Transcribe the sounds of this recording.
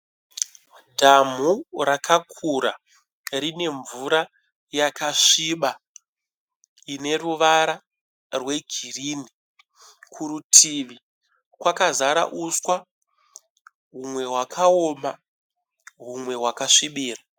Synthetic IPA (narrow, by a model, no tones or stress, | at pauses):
dʱam̤urakʰakʰuɾa | rine̞ɱvuɾa | jakaʂiɓa | ine̞ruʋaɾa | rwe̞ɡʱiriːni | kʰuɾutʰiʋi | kwakazaɾa̰ʔuswa | ɦumwe̞ɦwakʰaoːma | ɦumwe̞ɦwakaʂiɓiːra